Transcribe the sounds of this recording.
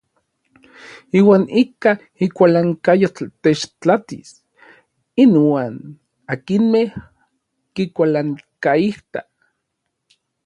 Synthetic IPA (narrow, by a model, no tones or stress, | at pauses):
iːwaːnika | ikʷalaŋkajot̪et͡ʃt͡ɬat̪is | inwaːn | akinmeh | kikʷalaŋkaiht̪a